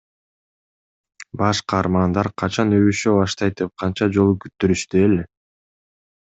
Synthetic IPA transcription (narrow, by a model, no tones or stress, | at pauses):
bɑʃqʰɑːɾmɑnd̪ɑɾqʰɑt͡ʃɑnøβyʃøβɑʃt̪ɑjt̪̚d̪ep̚qʰɑnt͡ʃɑd͡ʒo̞lˠukyt̪ːyɾyʃt̪yele